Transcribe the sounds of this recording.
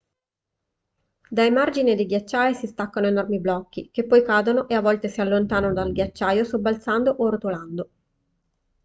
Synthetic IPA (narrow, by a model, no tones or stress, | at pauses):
d̪aemard͡ʒinid̪eɡjat͡ʃːaːjsist̪akːanoenɔrmiblɔkːik̟epːɔjkaːd̪onoʔeavːɔlt̪esialːont̪aːnanod̪alɡjat͡ʃːaːjosobːalt̪sand̪oʔort̪oland̪o